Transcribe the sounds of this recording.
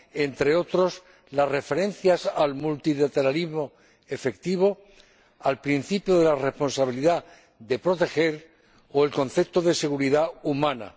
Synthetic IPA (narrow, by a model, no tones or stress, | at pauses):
e̞nt̪ɾe̞o̞t̪ɾo̞s | lazre̞fe̞ɾe̞nθjasalmult̪ilat̪e̞ɾalizmo̞ | e̞fe̞k̚t̪iβ̞o̞ | alpɾinθipjoð̞e̞lare̞spo̞nsaβ̞iliða | ðe̞pɾot̪e̞xe̞ɾ | oelko̞nθe̞p̚t̪oðe̞se̞ɣ̞uɾiðaumãna̰